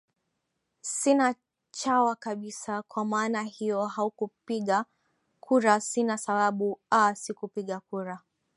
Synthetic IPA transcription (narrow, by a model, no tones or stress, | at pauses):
sina | t͡ʃawakaɓisakwamaːnahijɔhaukupiɠa | kʰuɾasinasaɓaɓuasikupiɠakuɾa